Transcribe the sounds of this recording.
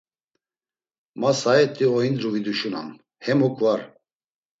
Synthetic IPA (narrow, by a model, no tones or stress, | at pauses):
masaɛt̪ʼiɔind̪ɾuvid̪uʃuna̰m | hɛmɔkʼvaɾ